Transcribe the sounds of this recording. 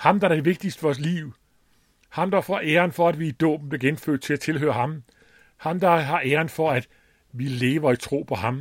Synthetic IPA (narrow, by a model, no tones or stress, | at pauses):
hɑ̈md̥ɑ̈æɐd̥e̝ʋe̝ɡ̥̚d̥isd̥əfɒɒs̬lḭːʊ | hɑ̈md̥ɑ̈fɒʔeːɐnfɒ̽æd̥ʋiːd̥ɔ̰ːb̥̚m̩b̥liɐɡenfø̰ːd̥t͡sʰe̝læt͡sʰe̝lɦø̰ːɐhɑ̈m | hɑ̈md̥ɑ̈ɦɑ̈ʔeːɐnfɒ̽æd̥ | ʋile̝ːʋɐit͡sʰʁo̝̰ːpʰɒ̽ɦɑ̈m